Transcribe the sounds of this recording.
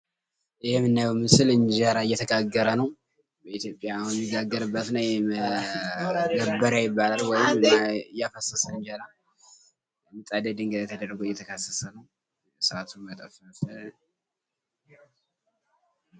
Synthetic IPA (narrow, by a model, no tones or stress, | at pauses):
ʔɨjɛmːɨnːajwmɨsɨlɨnd͡ʒaɾaɨjːɛt̪ʰəɡaɡːəɾənəw | bəit̪jo̞pʼːjajɛmːiɡaɡːəɾɨbːət̪nəwjɛ | ɡəbːəɾajɪbːalalwɔjɪmɨnjːafəsəsəɨɲd͡ʒaɾa | jɛmːɨt̪ʼad̪əd̪ɨŋɡəd̪at̪ʰəd̪əɾːɡoɪjːɛt̪ʰəkʰasːəsənəw | sɨat̪ʰunmət̪ʼəfəfə